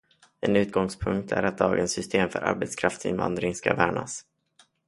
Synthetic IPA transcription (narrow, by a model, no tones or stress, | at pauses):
ɛnʉ̟ːt̪̚ɡɔŋspʰɵŋk̚t̪ʰæɾat̪̚d̪ɑːɡənsːʏst̪eːmfœɾʔa̰ɾbɛt̪skʰɾaft̪sɪ̰nvand̪ɾɪŋskavæːɳa̰s